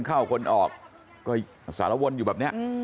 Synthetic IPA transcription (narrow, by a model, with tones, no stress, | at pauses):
nkʰaː˥˩wkʰo˧nʔɔː˨˩k̚ː | ɔː˥˩ | sa̰ː˩˦la˦˧˩wo˧njuː˨˩bɛː˨˩p̚ni˦˥ɐʔ